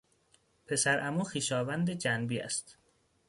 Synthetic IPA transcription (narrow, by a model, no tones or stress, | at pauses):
pʰe̞sæɾʔæmuːxiːʃɒːvænd̪ed͡ʒænbiːæ̰st̪